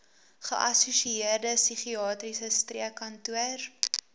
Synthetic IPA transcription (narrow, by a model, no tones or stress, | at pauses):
χə̰ʔɐsusiiərdəsyχiɑːtrisəstriəkːɐntuər